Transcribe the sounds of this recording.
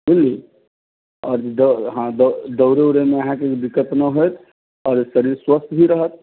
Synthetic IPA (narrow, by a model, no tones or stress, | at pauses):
bilːi | ɔːɾd̪əɦãd̪əd̪əʊɾeuɾemeəɦãkeb̪ikːət̪nəɦojt̪ʰ | ɔːɾsəɾiɾswəst̪ʰbʱiɾəɦət̪̚